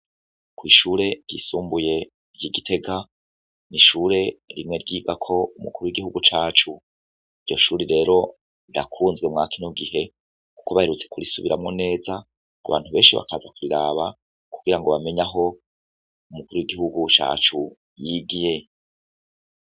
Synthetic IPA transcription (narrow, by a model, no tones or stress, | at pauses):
kwiːʃuːɾe̞ɟ̥ḭːsuːmbuje̞ | ɾɟiːɡitʰe̞ɡa | niʃuːɾe̞ɾimŋe̞ɾɟiːɡakʰo̞umukuɾuwiɡihuɡut͡ʃaːt͡ʃu | iɾɟo̞ʃuːɾiɾe̞ːɾo̞ | iɾa̰kʰuːnzɡwemŋakʰino̞ɡihe̞ | ku̥koβaheɾut͡se̞kuɾisuβiɾamŋo̞ne̞ːza | kṵβa̰ːn̥huβe̞ːnʃiβa̰kaːzakuɾiɾaːβa | kuɡiɾaŋɡo̞βame̞ɲaɦo̞ | umukuɾuwiɡihuɡut͡ʃa̰ːt͡ʃu | jiːɡije